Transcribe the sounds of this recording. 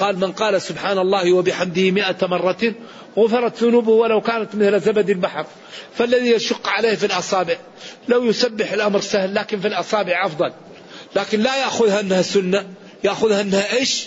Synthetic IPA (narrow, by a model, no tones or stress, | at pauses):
qɑːlmɪnqɑːlasʊbħaːnɑlˤːɑːhwabɪħamd̪ɪhɪmɪʔamɑrˤːɑt̪iːn | ɣʊfɪɾˤɑt̪ðʊnuːbʊhwalawkaːnat̪mɪθlzabad̪ɪlbaħɾˤ | falːaðijaʃʊqːʕaleːhfilʔɑsˤɑːbɪʕ | lawjʊsabːɪħɪlʔamɾsahlːaːkɪnfilʔɑsˤɑːbɪʕʔɑfd̪ˤɑlː | aːkɪnlajaʔxʊðhaʔɪnːhasʊnːa | jaʔxʊðhaʔɪnːhaʔeːʃ